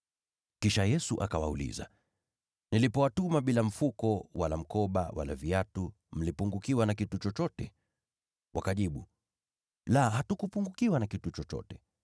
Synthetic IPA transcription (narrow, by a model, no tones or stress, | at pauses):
kiʃajɛsuʔakawa̰ṵlḭza̰ | nilipɔwatumaɓilam̩fukɔwalam̩kɔɓa̰wa̰la̰viatu | m̩lipuŋɡukiwanakitut͡ʃɔt͡ʃɔtɛ | wʔakaʄiɓu | lahatukupuŋɡukiwanakitut͡ʃɔt͡ʃɔ̰tɛ